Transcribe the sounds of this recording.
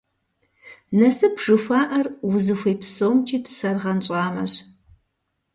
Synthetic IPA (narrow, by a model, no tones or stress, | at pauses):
nɐsɨpʰʐ̥ɨxʷɑːʔɐrwʊzɨxʷejpsoːmt͡ʃʼiːpsɐrʁɐnɕʼaːmɐ̰ɕ